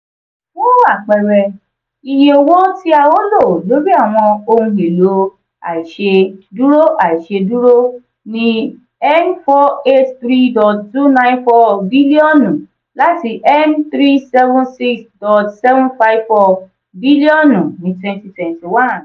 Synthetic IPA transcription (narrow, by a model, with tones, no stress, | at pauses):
wo˦a˦˨k͡pɛ˨ɾɛ˨ | i˧jẽ˧o˧wo˦ti˦a˧wo˦lo˦˨lo˨˦bi˦a˦˨w̃ɔ̃˧o˧hũ˧ɦe˨lo˨˦ | a̰˨i˨ʃe˧du˦ɾo˦ʔa˨i˨ʃe˧du˦ɾo˦ | nĩ˦ | ɛ˦nfɔ˦e˦tt̪ɾi˦dɔ˨ttu˦nã˦ĩ˦nfɔ˧bi˦li˦ɔ˦nũ˨ | la˦ti˧ʔɛ˦nt̪ɾi˦sɛ˦vũ˦nsi˦ksdɔ˨tsɛ˦vũ˦fa˧jvfɔ˧ | bi˦li˦ɔ̃˦˨nũ˨nĩ˨˦twɛ̃˧nti˧twɛ̃˨nti˨wã˦n